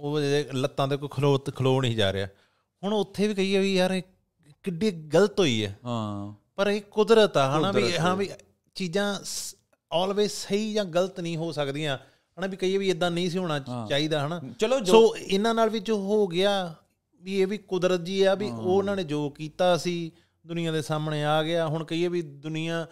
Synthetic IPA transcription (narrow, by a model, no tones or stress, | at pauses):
oːeːlət̪ːãːd̪eːkokʰloːt̪kʰəloːnəĩːd͡ʒa̰ːɾḛa̰ː | hʊɳ̃ʊt̪ʰːeːʋiːkəiːɛːʋiːaːɾ | kɪɖiːɡələt̪ɦoːiːɛ̰ː | pəɾeːkʊd̪ɾət̪aːɦənãːiːɦãːbiː | t͡ʃiːzãː | ɔːlʋeːsəiːd͡ʒãːɡələt̪nəĩːɦoːsəkd̪iːãː | ɦənaːbiːkəiːɛːʋiːed̪ːãːnĩːs̬iːɦoːɽ̃aːt͡ʃaːiːd̪aːɦənaːt͡ʃːoːɪnãːnaːlʋid͡ʒoːɦoːɡɪaː | ʋiːeːʋiːkʊd̪ɾət̪̚d͡ʒiːaːbiːoːɪnãːnẽːd͡ʒoːkiːt̪aːəsiː | d̪ʊnɪːãːd̪eːsaːmneːaːɡɪaːɦʊɳkəiːɛːʋiːd̪ʊnɪjãː